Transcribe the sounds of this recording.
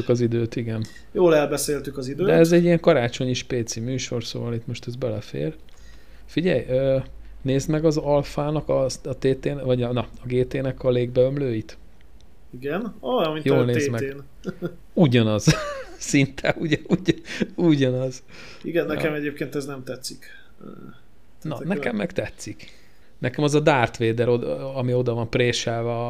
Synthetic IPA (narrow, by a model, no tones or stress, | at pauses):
ykɒzid̪øːt̪iɡɛn | joːlɛlbɛseːlt̪ykɒzid̪døːd̪ɛɛzɛɟːijɛŋkɒɾaːt͡ʃo̞ɲiʃpeːt̪simyːʃo̞rso̰ːvɒlit̪mo̞ʃt̪ɛzbɛlɛfḛːr | fiɟɛjøː | neːzmɛɡɒzɒlfaːnɒkɒt̪eːt̪eːnvɒɟɒnɒɒɡeːt̪eːnɛkɒleːɡ̚bɛømløːjit̪ | iɡɛnojminjoːlneeːzmɛn | uɟɒnɒzsint̪ʰɛuɟɛuɟuɟɒnɒz | iɡɛnːɛkɛmɛɟeːp̚keːnt̪ɛznɛmt̪ɛt̪sːikː | nɒnɛkɛmːɛkt̪ɛt̪sik | nɛkɛmɒzɒd̪aːrt̪ʋeːd̪ɛɾoɒmio̞d̪ɒvɒmpreːʃɛlvɛ